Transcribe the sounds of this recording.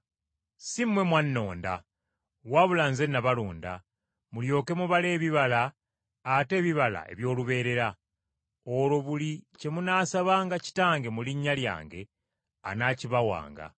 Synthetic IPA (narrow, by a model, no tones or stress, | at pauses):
simːwe̞mwanːo̞ːnda̰ | waβulaːnze̞nːaβaluːnda̰ | muljo̞ːke̞muβale̞ːβiβalaː | te̞ːβiβala̰e̞̰βjo̞ːluβe̞ːɾe̞ɾa | olo̞βulice̞munaːsaβaːŋɡaci̥taːŋɡe̞muliɲːalja̰ːŋɡe̞̰ | a̰naːciβawa̰ːŋɡa̰